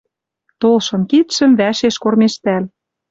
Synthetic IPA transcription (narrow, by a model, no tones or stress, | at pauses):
t̪olʃɤ̆nkit̪ʃə̆mβæʃeʃkormeʃt̪æl